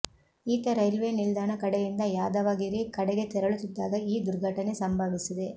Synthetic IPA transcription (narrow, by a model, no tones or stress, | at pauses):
iːt̪ɐɾɐjlʋeːnild̪aːnɐkɐɽɛjind̪ɐjaːd̪ɐʋaːɡiɾikɐɽɛɡe̞t̪ɛɾɐɭut̪ːid̪ːaːɡɐiːd̪uɾɡʱɐʈɐnesɐmbʱɐʋisid̪e